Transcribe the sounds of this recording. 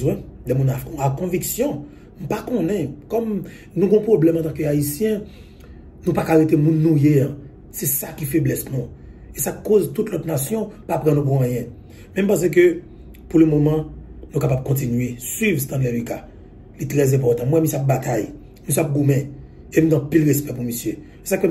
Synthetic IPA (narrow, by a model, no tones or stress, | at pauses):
zwɛ̃lɛmũnakɔ̃akɔ̃viksjɔ̃ | m̩pakɔ̃nɛ̃kɔm | nũɡɔ̃pʁoblɛmɑ̃t̪ãkøaisjɛ̃ | nũpakaʁet̪emũnːũjea | sɛsakifeblɛsnũ | esakozt̪ut̪lɔt̪nasjɔ̃papʁãnũp̬ũãjɛ̃ | mɛ̃m̩pãs̬ɛk̬ø | puʁlømomɑ̃nũkapab̚kɔ̃t̬inɥesɥivst̪ãd̪lɛlika | lit̪ʁɛzɛ̃p̬ɔʁt̪ɑ̃mwɛmisjap̚bat̪aj | misjeap̚ɡumɛ̃ | em̩ɡãpilʁespɛpumisjø | se̥sakø